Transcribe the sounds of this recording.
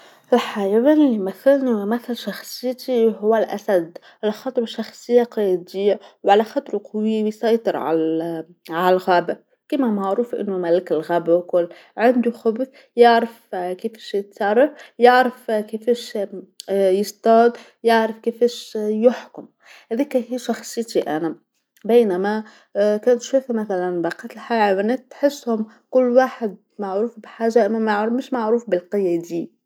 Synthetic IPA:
ʔɪlħajawenɪlːimaθːalnimaθalʃɑxsˤɨjːt̪iɦʊwːalʔa̰sad̪ | ʔɪlxɑt̪ˤbɑʃɑxsˤɪjːaqɑjd̪ɪjːawʕalaxɑt̪ˤɾuqɑwiːbjsˤɑjt̪ˤɨɾʕa̰l | ʕalalɣaːba | kimamaʕɾuːfʔɪ̰nːʊmalɪkɪlɣaːbawkʊlːʕand̪uxʊbθ | jaʕɾɪfkeːfʃjɪt̪sɑrˤːɑfjaʕɾɪfkɪfɛːʃ | jɪst̪ɑːd̪ | jaʕɾɪfkɪfæːʃjʊħkʊm | hæðiːkæhiːʃɑxsˤɨjt̪iʔænæ | beːnamæ | kæːnt̪ʃuːfmæθalanbaqɑt̪ɪlħaʕawænæːt̪ːħɪsːhʊm | kʊlːwaːħɪd̪̚ | maʕɾuːfbħaːʒːaʔamːæmaʕɾmɪʃmaʕɾuːfbɪlqɪjːæd̪iː

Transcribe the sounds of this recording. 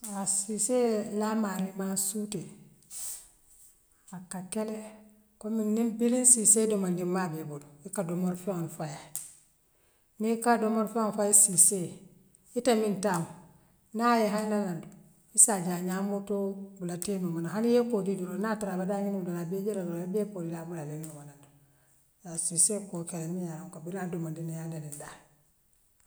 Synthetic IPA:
asiselamaɾimasute | akakele | kominnimbilinsisedomandimabebuluikadomoɾfeonfaja | nikadomoɾfeonfajisise | itamintam | najeɦananandu | isad͡ʒaɲamotobulatenumanaɦanjekodiduɾonataɾabadaɲinudolabed͡ʒeɾaɾoabepolilabulaleomanandu | jasisekokeenijaŋkabiɾaːdomandinijadaninda

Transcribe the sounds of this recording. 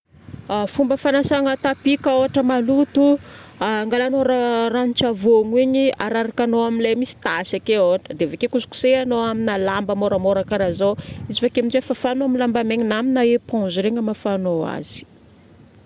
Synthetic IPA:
fumbəfanasaŋət̪apikaoɦaʈ͡ʂəmalut̪uaŋɡalanoɾarant͡ʃavoŋiɲiaɾaɾakanoaminlemisi̥t̪asakeoɦaʈ͡ʂəd̪eavakekusu̥ku̥seanoaminalambəmoɾəmoɾakaɾazoizifakeaminzefəfanoamilambameɲinaminaepɔ̃zɾeŋəmafanoa̰z̥i̥

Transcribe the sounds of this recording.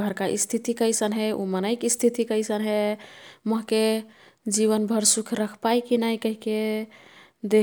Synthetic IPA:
əɾkaʔḭst̪ʰit̪ikəjsənɦeumənəɪkist̪ʰit̪ikəjsənɦeməɦke | d͡ʒiβənbʱəɾsukʰɾəkʰpajkinajkəɦike | d̪e

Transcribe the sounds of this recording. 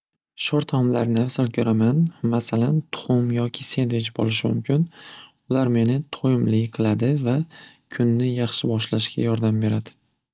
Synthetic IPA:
ʃoɾt̪ʰɒmlaɾnɪasɒɾkʲʰoɾʔamanmasalant̪ʰʊ̥χʊmjɒkʲʰɪse̞nd̪vɪt͡ʃbo̰lɪʃɪmʊ̰mkʲʰɪn | ʊlaɾme̞nɪt̪ʰojɪmlɪqʰɨlˠad̪ɪva | kʲʰʊnːɪjɑχʃɪbɒʃlaʃkʲʰa̰jɒɾd̪ambe̞ɾad̪ɪ̥

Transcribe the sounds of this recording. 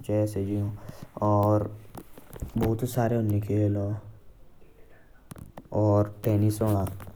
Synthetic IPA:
t͡ʃɛːsed͡ʒiõɔːɾ | bɔɦʊt̪saːɾeʊnɪkʰelõ | ɔːɾpeːnisoã

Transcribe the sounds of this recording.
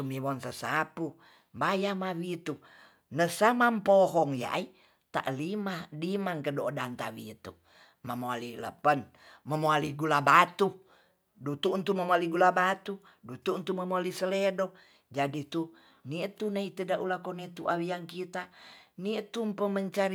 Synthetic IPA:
t̪umiwɔnsəsapu | bajamawit̪u | nəsamampoɦɔŋja̰ʔi | t̪a̰ʔlimadimaŋkədoʔdant̪a̰wit̪u | mamoalilə̰pən | məmoaliɡulabat̪u | dut̪unt̪umamoaliɡulabat̪u | dut̪unt̪uməmoalisəledɔ | d͡ʒadit̪u | nit̪unait̪ədaʔulakɔnit̪uʔawijaŋkit̪anit̪umpəməɲt͡ʃaɾ

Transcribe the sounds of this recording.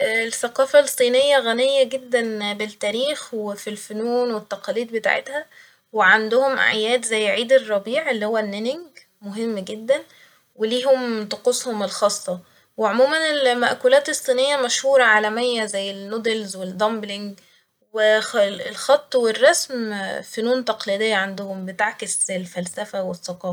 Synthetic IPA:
lθːæqɑːfælsˤːiːnejːæɣænejːæɡed̪ːænbelt̪ːæːɾiːxwefilfonuːnwet̪ːæqɑliːd̪̚bet̪a̰ːʕḛt̪hæ | weʕand̪ʊhomʔʕ̰ajæːd̪zæjːʕiːd̪erˤːɑbiːʕelːiːhowːænːenɪŋɡ | moɦemːɡed̪ːæn | weliːɦomt̪ɑqoshomelxɑːsˤːɑ | weʕomuːmænelmæʔkuːlæːt̪esˤːiːnejːæmæʃhuːɾˤɑʕalæmejːæzæjːelːod̪elzweld̪ɑmbliŋɡ | welxɑt̪ˤːwerˤːɑsmfonuːnt̪ɑqliːd̪ejːæʕand̪ohombet̪aʕkeslfælsæfæwesːɑqɑː

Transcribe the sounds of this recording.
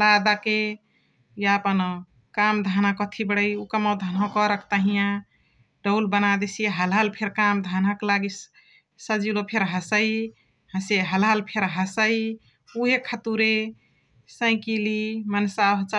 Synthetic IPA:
lad̪ake | jaəpən | kamd̪ʱanakɔt̪ʰibəɽəjukəmɔd̪ʱənɦɔ̃kɔɾəkt̪əɦijã | ɖəwlbənad̪esiɦəlɦalpʰeɾkamd̪ʱanakelaɡi | səd͡ʒilopʰeɾɦəsəi | həseɦəlɦalpʰeɾɦəsəi | uɦekʰat̪uɾe | sə̃ɪ̃kilimənsaɦt͡ʃa

